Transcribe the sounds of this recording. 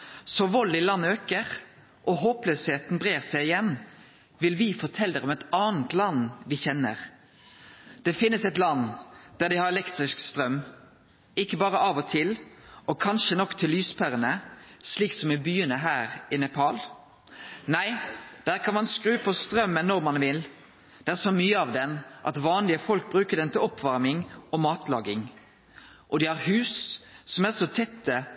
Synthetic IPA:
sɔʋɔlɪlɑnːøːkəʁ | ʔɔɦoːpløːsheːt̪nbʁeːʁsæɪɪjɛnː | ʋɪlʋɪfɔʈ̪ʰɛld̪əʁɔmɛt̪ɑːnt̪lɑnʋɪçɛnə̰ʁ | d̪̥ɛfɪnːəsɛt̪lɑnd̪̥æd̪ɪhɑɾɛlɛkt̪ɾɪskst̪ɾœm | ɪkːəbɑːʁəʔɑʋɔt̪ʰɪlɔkʰɑnʃənɔkt̪ʰɪlːyːspʰæʁənəsliːksɔmɛbyːənəɦæːɾɪnɛpʰɑːl | næɪd̪̥æːʁkʰɑnmɑnskɾʉːəpʰɔst̪ɾœmːənːɔɾmɑnʋɪl | d̪̥ɛæɾsɔmyːəɑʋd̪ɛnʔɑ̰t̪ʋɑːnlɪəfɔlk̚bɾʉːkəd̪ɛnt̪ʰɪlɔpʰʋɑɾmɪŋɔmɑːt̪lɑ̰ːɡɪŋ | ʔɔd̪ɪhɑʁhʉːsːɔmæʁsɔt̪ʰɛt̪ːə

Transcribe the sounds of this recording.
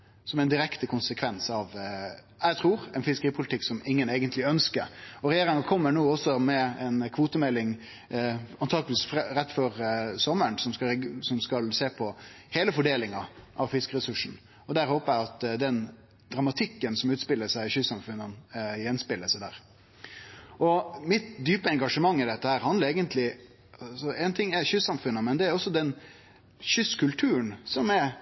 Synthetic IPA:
sɔmɛɪnd̪ɪɾɛkt̪əkʰʊnsəkʰʋɛnsɑʋ | æt̪ʰɾuːɾɛɪnfɪskəɾiːpʰʊlɪt̪ɪkːsɔmɪŋːəneːɡənt̪lɪœnskə̰ɾɔɾɛjeːɾɪŋɑkʰɔmːəɳuːɔsɔmɛɛnkʰʋuːt̪əmɛlːɪŋ | ɑnt̪ʰɑːɡəʋɪːsfɾɛt̪ːfɔɾsɔmːəɳsɔmskɑsɔmskɑlseːpʰɔ | heːləfɔɖeːlɪŋɑʔɑʋfɪskəɾɛsʉʂn̩ | ɔd̪æɾhoːpəɾæɪɑt̪d̪ɛn | d̪̥ɾɑmɑt̪ʰɪkːənsɔmʉːt̪spɪlːəsæɪɪçʏsːɑmfʉnːənjɛnspɪlːəsæɪd̪æ̰ːɾ | ʔɔmɪt̪d̪yːpəɛŋɡɑʂəmɑŋːɪd̪ɛt̪ːəhæːɾhɑnd̪ləɾeːɡənt̪lɪ | ɑsɔɛɪnt̪ʰɪŋːɛçʏsːɑmfʉnːəmɛnd̪ɛæɾɔsːɔd̪ɛn | ɕʏskʉlt̪ʰʉːənsɔmɛɾ

